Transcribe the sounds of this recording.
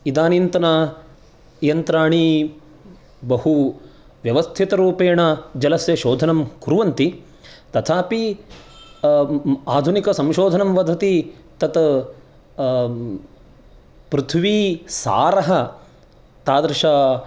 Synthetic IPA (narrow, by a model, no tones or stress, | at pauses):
id̪aːnint̪ɐnɐ | jɐnt̪ɾaːɳi | bɐhu | ʋjɐʋɐst̪ʰit̪ɐɾuːpeːɳɐd͡ʒɐlɐsjɐʃoːd̪ʱɐnɐmkuɾuʋɐnt̪i | t̪ɐt̪ʰaːpi | aːd̪ʱunikɐsɐ̃mʃoːd̪ʱɐnɐmʋɐd̪ʱɐt̪i | t̪ɐt̪ | pɾut̪ʰʋiːsa̰ːɾɐɦɐ | t̪aːd̪ɾɐʃa